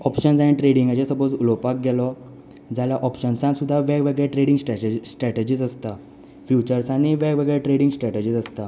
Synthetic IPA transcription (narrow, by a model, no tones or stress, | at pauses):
ɔpɕənsaɽ̃iʈɾeɽiŋɡat͡ɕesəbod͡zulɔpak̚ɡɛlɔ | d͡zaljaʔɔpɕənsãnsud̪ʱːaʋɛɡʋəɡɛɭeʈɾeɽiŋɡsʈsʈɾɛʈed͡ʑiːsəst̪a | fjut͡ɕəɾsaɽ̃iʋɛɡʋəɡɛɭeʈɾeɽiŋɡsʈɾɛʈed͡ʑiːsəst̪a